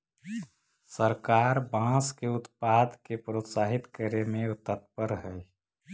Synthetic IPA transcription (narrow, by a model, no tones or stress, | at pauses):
səɾkaːɾbãːskeʊt̪paːd̪kepɾot̪saːɦit̪kəɾemẽot̪ət̪̚pəɾɦəj